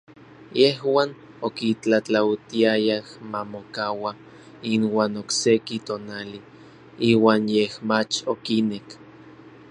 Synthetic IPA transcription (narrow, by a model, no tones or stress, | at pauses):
jehwaːn | okit͡ɬat͡ɬawt̪iajahmamokawa | inwaːnoksekit̪oːnali | iːwaːnjehmat͡ʃokinek